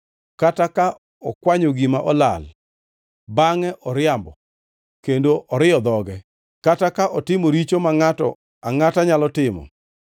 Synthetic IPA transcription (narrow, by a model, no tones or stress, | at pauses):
kataka | ɔkwaɲoɡimaʔɔla̰l | baŋɛʔɔɾɪambɔ̰ | kendoʔɔɾɪɔd̪ɔɡɛ | katakaʔɔtɪmoɾit͡ʃomaŋatɔ̰ | aŋataɲalɔtɪmɔ̰